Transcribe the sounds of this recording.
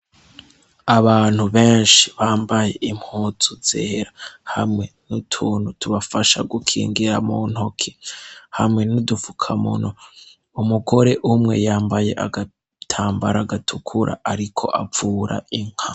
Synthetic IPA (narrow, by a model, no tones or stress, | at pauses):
aβaːn̥huβeːnʃi̥βaːmbaje̞ʔimhuːtuz̥eːɾahamŋe̞nutʰuːn̥hutʰuβafaʃa̰ɡukʰḭːŋɡiɾamun̥hokʰe̥hamŋe̞nudufu̥kʰamṵnoː | muɡo̞ɾe̞ʔumŋe̞̰jaːmbaje̞ʔaɡa | tʰaːmbaɾaɡatʰukʰuɾʔa̰ʔaɾikʰo̞̰ʔafuːɾa̰iŋ̥ha